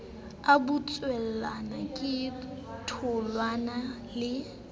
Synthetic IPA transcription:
abut͡sʼwɛl̩lanakʼɪtʰʊlwana | lɪ

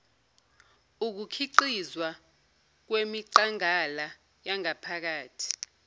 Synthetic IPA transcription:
uk̬ukʰiǀizwa | k̬wemiǀaŋala | jaŋapʰak̬aːtʰi̥

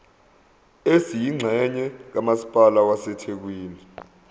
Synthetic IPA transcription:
esijiŋ͡ǀʱɛɲɛk̬amasi̥pʼalawasɛtʰɛk̬weːni

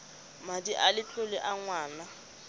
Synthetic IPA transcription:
madiʔalɪt͡ɬʼʊlɪʔaŋwaːna

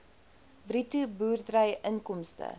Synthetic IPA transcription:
britubuːrdrəjʔənkɔmstə̰

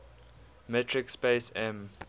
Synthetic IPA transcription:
mɛtʰɹɪkspesɛ̃m

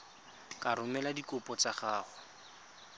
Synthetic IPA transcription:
kaɾʊmɛladikʊpɔt͡saχaːχʊ

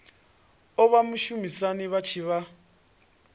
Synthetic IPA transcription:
ɔβamuʃumisaniβat͡ʃʰiβa

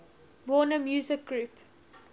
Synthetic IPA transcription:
wɔːnəmjuːzɪk̚ɡɹuːp

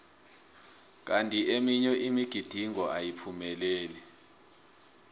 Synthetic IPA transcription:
k̬antʼiʔemiɲɔʔimiɡ̥ʱid̥ʱiŋɔʔajipʰumɛlɛːlɛ

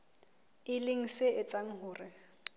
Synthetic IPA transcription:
ɪlɪŋ̩sɪɪt͡sʼaŋ̩ɦʊːrɪ

